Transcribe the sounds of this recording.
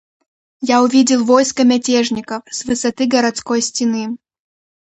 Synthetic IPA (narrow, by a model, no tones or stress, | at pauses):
jaʊvʲidʲɪlˠvɔjskɐmʲatʲeʐnʲɪkəfsʲvɨsɐt̪ɨɡɐɾɐt̪skɔjsʲtʲɪnɨ